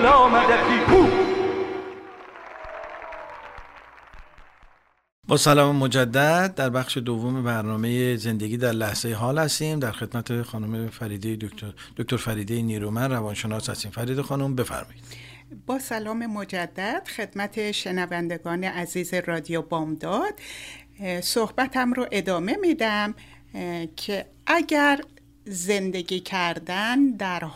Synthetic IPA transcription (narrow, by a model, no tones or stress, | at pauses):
læɒːmæd̪æt̪iːkʰuː | bɒːsælɒːmemod͡ʒæd̪ːæd̪̚d̪æɾbæxʃe̞d̪ovːome̞bæɾnɒːme̞jeze̞nd̪e̞ɡiːd̪æɾlæhz̥ejeɦɒːlhæst̪iːmd̪æɾxe̞d̪mæt̪ʰexɒːnumeɾiːd̪ejd̪̥ok̚t̪oɾfæɾiːd̪ejeniːɾuːmænrævɒːnʃe̞nɒːshæ̰st̪iːmfæɾiːd̪exɒːnombe̞fæ̰ɾmɒjid̪̥ | bɒːsælɒːme̞mod͡ʒæd̪ːæd̪̥xe̞d̪mæt̪ʰe̞ʃe̞nævænd̪e̞ɡɒːne̞ʔæziːze̞rɒːd̪ijobɒːmd̪ɒd̪̥ | sohbæt̪ʰæmɾoʔe̞d̪ɒːme̞mid̪æm | cʰe | ʔæɟæɾ | ze̞nd̪e̞ɟʲiːcʰæɾd̪ænd̪æɾ